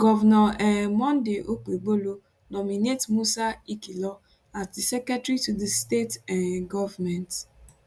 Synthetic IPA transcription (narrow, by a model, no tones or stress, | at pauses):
ɡɔvnɔɛmɔ̃ndeʔok͡peɡ͡bolo | nɔminetmusaikilɔ | atdisɛkɾɛtɾitudistetãnɡɔvamɛnt